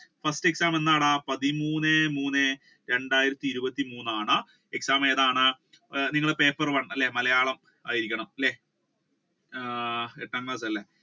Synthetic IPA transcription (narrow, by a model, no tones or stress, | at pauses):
fɐstɨe̞ksaːme̞nːaːɽapɐðimuːnːemuːnːe | ɾe̞ɳɖaːjiɾɐt̪ːiːɾubɐt̪ːimuːnːaːɳɨ | eksaːme̞ːðaːɳɨ | niŋːɐɭepe̞ːpːɐrʋɐɳːɐlːemɐlɐjaːɭɐm | aːjiɾikʲːɐɳɐmɐlːe | eʈːaːŋkɭaːs̬ɐlːe